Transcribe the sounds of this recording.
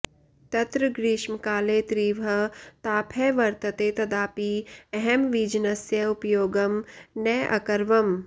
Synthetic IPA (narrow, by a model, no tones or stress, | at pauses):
t̪ɐt̪ɾəɡɾiːʃmkaːleːt̪ɾiːʋʱɐt̪aːpʰɛːʋɐɾt̪ɐt̪eːt̪ɐd̪aːpiːɛɦɛmʋiːd͡ʒnɐsjɐʊpjoːɡɐmnɐːʔɐ̰kɐɾʋɐm